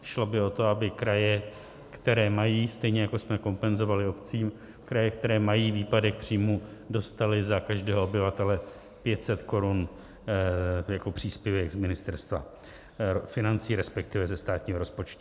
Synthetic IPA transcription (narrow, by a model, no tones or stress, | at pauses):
ʃlo̞bɪo̞t̪o̞abɪkɾajɛ | kt̪ɛɾɛːmajiːst̪ɛjɲɛjako̞smɛko̞mpɛnzo̞valɪo̞pt͡siːm | kɾajɛkt̪ɛɾɛːmajiːviːpadɛxpr̝̥iːmuːdo̞st̪alɪzakaʒdɛːɦoobɪvat̪ɛlɛ | pjɛt̪sɛt̪ko̞ɾun | jako̞pr̝̥iːspjɛvɛɡzmɪnɪst̪ɛɾst̪va̰ | fɪnant͡siːɾɛspɛk̚t̪ɪvɛzɛst̪aːt̪ɲiːɦoo̞spo̞t͡ʃt̪u̥